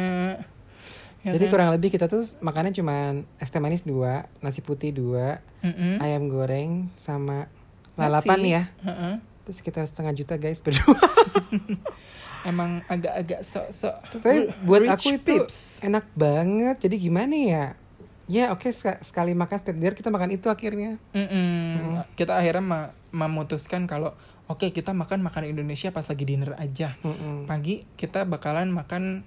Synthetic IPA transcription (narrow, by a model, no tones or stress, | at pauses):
d͡ʒadikuɾaŋləbɪhkit̪at̪umakanat͡ʃumanɛst̪emanɪsduanas̬ɪhput̪ɪhduaʔ | m̩ajamɡoɾɛŋsama | lallapanjaə | t̪ʊsə̥kit̪arsə̥t̪əŋad͡ʒut̪aɡajsbərdua | emaŋaɡaʔːɡaʔsɔʔsɔʔt̪t̪apibuat̪akuit̪isenak̚baŋət̪̚d͡ʒadiɡimanaja | jaokesasə̥kalimakanst̪ɪp̚diarkit̪amakanit̪uaxirɲam̩ʔm̩kit̪aːhiɾɲama | məmut̪uskankalo | okekit̪amakanmakanindonesiapaslaɡidinəra̰d͡ʒamm̩paɡikit̪abakalanmakan